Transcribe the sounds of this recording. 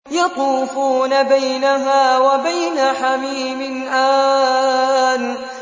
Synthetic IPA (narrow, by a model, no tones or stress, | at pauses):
jɑt̪uːfuːnabajnaɦaːwabajnaħamiːmɪnʔaː | n